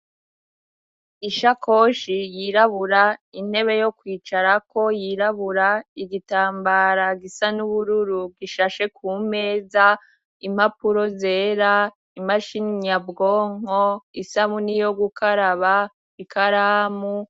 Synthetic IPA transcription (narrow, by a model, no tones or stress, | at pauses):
iʃako̞ʃijiɾaβuɾain̥e̞βe̞jo̞kwiːt͡ʃaɾako̞jiɾaβuɾaiɡitaːmbaɾaɡisanuβuɾuɾub̚ɡiʃaʃe̞kuːme̞ːza | im̥hapuɾo̞ze̞ːɾa | imaʃiɲabɡoːŋ̥o̞isamunijo̞ɡukaɾaβa | ikʰaɾaːmu